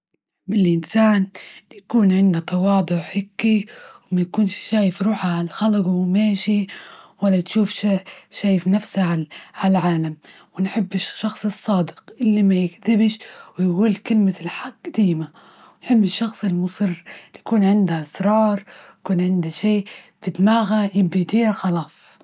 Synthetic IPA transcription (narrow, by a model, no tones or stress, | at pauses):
bɪlʔɪnsaːnjakuːnʕɪnd̪at̪ˤɑwɑːd̪ˤʊʕħɪkːiwmajakuːnʃːaːjɪfɾuːħaʕalxalqwmeːʃiwalːat̪ʃuːfʃaʃaːjɪfnafsaʕaʕalʕaːlam | wɪnħɪbːɪʃːɑxsˤɨsˤːɑːd̪ɪqʔɪlːimajɪkðɪbʃwɪjɡuːlkɪlmalħaɡːd̪aːma | wɪnħɪbːɪʃːɑxsˤɪlmʊsˤɨrːjakuːnʕɪnd̪aʔɪsɾˤɑːɾˤjakuːnʕɪnd̪aʃeː | bɪd̪maːɣajɪbːajt̪iːɾxɑlɑːsˤ